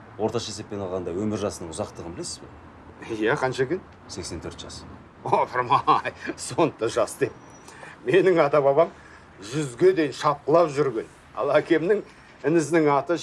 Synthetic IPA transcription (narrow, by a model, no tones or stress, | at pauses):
wo̞ɾt̪ɑʃɑese̞pːe̞nɑlˠʁɑnd̪ɑwɵmɪɾʒɑsənəɴʊzɑqt̪əʁənbɪle̞sɪzbḛ | jæqʰɑnʃɑkʲʰɪn | se̞kse̞nt̪ʰɵɾt̪ʒ̥ɑs | opʰəɾmɑjsont̪ɑʒɑsd̪e̞p̚ | me̞nɪŋɑt̪ɑbɑβɑm | ʒʏzɡʲe̞d̪e̞jɪnʃɑp̚qəlˠɑpʒʏɾɡʲe̞n | ɑ̰lˠækʲʰe̞mnɪŋ | ɪnɪznɪŋɑt̪ə